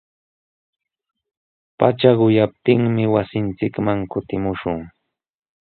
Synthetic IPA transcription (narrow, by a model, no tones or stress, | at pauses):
pat͡ʃaɢʊjap̚t̪ɪŋmɪwasɪnt͡sɪkmaŋkʊt̪ɪmʊʃʊŋ